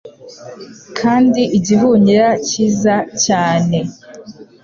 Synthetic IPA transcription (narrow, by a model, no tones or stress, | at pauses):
kʰaːndiʔiɟiɦuɲiɾaciːzacaːne̞